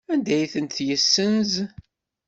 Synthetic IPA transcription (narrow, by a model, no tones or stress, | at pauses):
ænd̪æjθənt̪jəsːənz